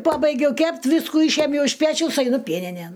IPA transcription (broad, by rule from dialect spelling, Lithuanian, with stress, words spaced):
ˈpɑːbɐɪɡʲɛʊ ˈkʲɛpʲtʲ ˈʋʲɪskuː ˈiːʃʲiɛmʲjɛʊ ɪʃ ˈpʲæːt͡ʃʲɛʊs ɐɪˈnʊ ˈpʲiɛnʲɪnʲeːn